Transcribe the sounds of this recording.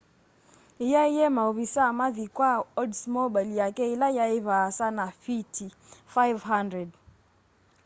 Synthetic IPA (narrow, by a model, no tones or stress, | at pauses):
ijaijɛmaoβisamaðikwaɔdsmobaljakɛilajaɪβasanafitʰi | fajvɦandɹɛd